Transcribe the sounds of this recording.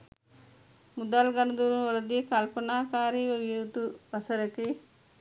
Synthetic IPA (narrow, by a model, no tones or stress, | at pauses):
mud̪alɡɐnɐd̪uɾunʋɐlɐd̪ikɐlpɐnaːkaːɾiʋɐʋjut̪uʋɐsɐɾɐki